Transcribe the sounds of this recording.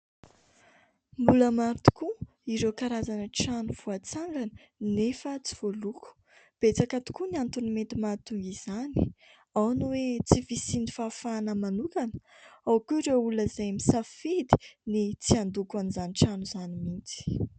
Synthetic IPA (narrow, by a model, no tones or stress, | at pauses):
mbuləmaɾit̪u̥ku | iɾewkaɾazanəʈ͡ʂanuv̥uat͡saŋɡanə | nefət͡si̥v̥oluku̥ | b̥et͡sakat̪u̥kuniant̪unimet̪imat̪uŋɡiz̥ani̥ | awnuwet͡sivisinifafanəmanukanə̥awkuiɾewuləzajmisafed̪i̥nit͡siand̪ukanizaniʈ͡ʂanuz̥animint͡si̥